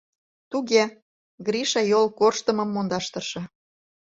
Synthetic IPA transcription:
t̪uɣe | ɡɾiʃɑjolkorʃt̪ə̆məmːond̪ɑʃt̪ɤ̆ʃɤ̆

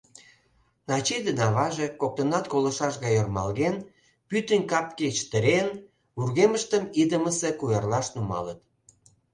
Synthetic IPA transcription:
nɑt͡ɕed̪ənɑβɑʒekok̚t̪ənɑt̪kolə̆ʃɑʃɣɑjormɑ̰lɣen | pyt̪ənkɑpket͡ɕt̪əɾen | βurɣeməʃt̪əmid̪əməsekujɑrlɑʃnumɑ̰lət̪̚

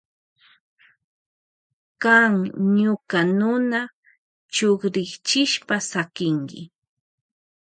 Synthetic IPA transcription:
kaŋɲʊkanʊna | t͡ʃoχɾɪkt͡ʃɪʃpasakɪŋkɪ̰

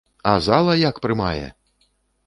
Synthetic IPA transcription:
azalˠɐjakpɾɨmajɛ̰

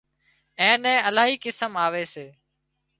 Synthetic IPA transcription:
ɛ̃ːnɛ̃ːəlaːɦiːkɪsəmaːʋeːseː

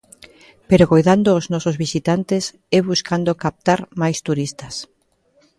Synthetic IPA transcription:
peɾokojðand̪oːznɔsozβisit̪ant̪es | ɛβuskand̪okap̚t̪aɾmajst̪uɾist̪as

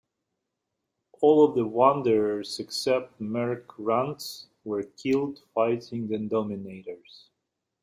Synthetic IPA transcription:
ʔɔlˠɔvðəwʌ̃ndə˞ə˞zɨksɛp̚t̚mɛɹkʰɹãnts | wə˞kʰɪlˠdfaɪtʰɪ̃ŋzɨ̃ndɔmɪneɪɾə˞z̥

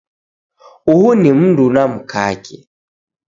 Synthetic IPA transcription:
uhunim̩ndunam̩kʰa̰kɛ

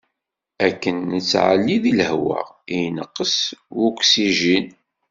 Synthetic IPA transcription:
ækːənːət͡sːʕə̰lːiðiləhwə̰ʁinəqːəswukʷsiʒin

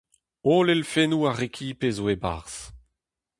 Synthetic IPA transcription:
oːlelfenuːaʁekʲʰipeːzoeba̰ːʁs

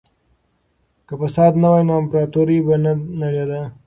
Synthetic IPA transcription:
kəpəsɑːd̪nawajnampɾɑt̪oɾibananalad̪a

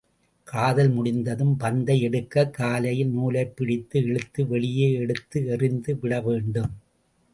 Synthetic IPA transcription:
kʰaːðɐlmʊɽɪnd̪ɐðɯmbɐnd̪ɐɪɛɽɯkːɐkːaːlɐjɪlnuːlɐɪpːɪɽɪt̪ːɯɛɻɯt̪ːɯʋɛɭɪjeːɛɽɯt̪ːɯɛrɪnd̪ɯʋɪɽɐʋeːɳɖɯm

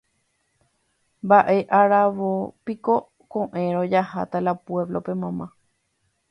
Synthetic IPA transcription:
mbaʔe̞ʔaɾaʋopiko̞ | kõʔẽ̞ɾ̃od͡ʒaha̰t̪alapweβlo̞pe̞mãmã

